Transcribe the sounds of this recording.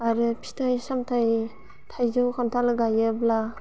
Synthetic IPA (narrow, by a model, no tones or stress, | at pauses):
aɾɯpʰi̥tʰajsamtʰaj | tʰajzɯwkʰamtʰalɡajɯbla